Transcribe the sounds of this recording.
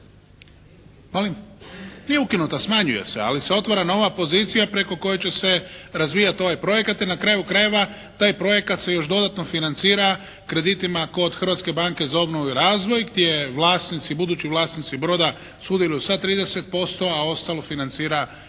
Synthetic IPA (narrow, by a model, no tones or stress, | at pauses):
molimnijeukinut̪asmaɲuje̞̰se̞̰a̰lise̞o̞t̪ʋaɾano̞ʋapo̞zit̪sijapɾe̞ko̞ko̞jet͡ɕe̞se̞ɾazʋijat̪o̞ʋajpɾo̞je̞kat̪inakɾajukɾaje̞ʋa | t̪aːjpɾo̞je̞kat̪se̞jo̞ʃd̪o̞d̪at̪no̞finant̪siːɾa | kɾe̞d̪it̪imako̞d̪xɾ̩ʋat̪ske̞baŋke̞zao̞bnoʋuiɾaːzʋo̞jɡd̪jejeʋlˠaːst̪nit̪sibud̪uːt͡ɕiʋlˠaːsnit̪sibɾo̞ːd̪a | sud̪jelujusat̪ɾiːd̪e̞se̞t̪̚po̞st̪o̞ao̞st̪alo̞finant̪siːɾa